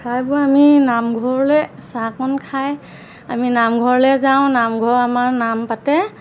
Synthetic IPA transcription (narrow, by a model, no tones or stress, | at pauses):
kʰajbʊaminamɡʱɔɹlɛsakɔnkʰaj | aminamɡʱɔɹlɛzaw̃namɡʱɔɹamaɹnampatɛ